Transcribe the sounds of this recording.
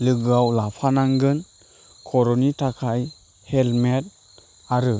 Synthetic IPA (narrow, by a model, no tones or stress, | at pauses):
lɯɡɯawlapʰanaŋɡɯn | kʰɔɾɔnitʰakʰaj | helmet̚ | aɾɯ